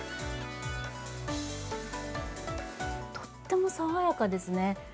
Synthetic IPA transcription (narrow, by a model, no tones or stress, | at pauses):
t̪ʰo̥t̪ːe̞mo̞saβajakad̪e̞sɨne